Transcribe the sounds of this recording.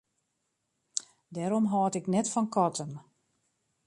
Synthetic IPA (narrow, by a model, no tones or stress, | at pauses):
dɛɾɔmɦɔːtɪknɛtfɔnkɔtʰən